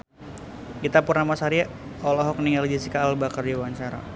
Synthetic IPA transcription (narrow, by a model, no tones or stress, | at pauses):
kit̪apurnamasaɾia | ɔlɔɦɔkniŋalid͡ʒisikaːlbakard͡ʒiwant͡ʃaɾa̰